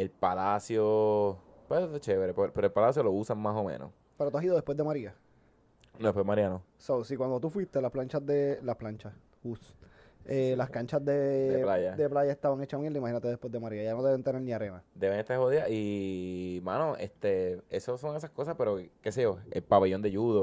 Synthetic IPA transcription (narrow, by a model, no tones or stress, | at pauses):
e̞lpalasjo | pweðet͡ʃeβɾepopeɾolpalasjo̞lo̞usaŋmaso̞mḛ̃no̰s | peɾot̪uasiðo̞ðepwed̪e̞maɾia | noðepwemaɾiano | sosikwand̪o̞t̪ufwist̪e̞lasplaɲt͡ʃazd̪elahplaɲt͡ʃas | us | elaskaɲt͡ʃazd̪e̞deplajad̪eplaʝaest̪aβaŋet͡ʃamjeld̪imahinat̪eðepwe̞zd̪emaɾiajanoðeent̪eneɾniaɾe̞nad̪e̞βeŋet̪aɾhoðiaʔi | mã̰noʔest̪e̞esoso̞ŋesahko̞sape̞ɾo̞keseʝo̞elpaβeʝo̞nd̪eʝuðo